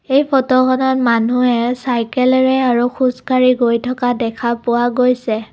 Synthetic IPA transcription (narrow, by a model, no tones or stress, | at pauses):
ejpʰɔtɔkɔnɔtmanuɛsajkɛlɹɛaɹuxuskaɹiɡojtʰɔkadɛkʰapʊwaɡojsɛ